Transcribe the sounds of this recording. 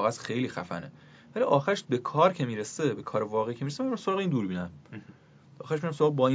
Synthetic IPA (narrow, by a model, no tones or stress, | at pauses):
ɣæsxe̞jliːxæ̰fæ̰ne̞ | væliʔɒːxæɾeʃbekʰɒːɾcʰe̞miːɾesebe̞kʰɒːɾevɒːɣeicʰe̞miːɾes̬emæmɾæmsoɒːɣeiːnd̪uːɾbiːnæm | ɒːxæɾeʃmijɾæmsoɑːɣbɒːi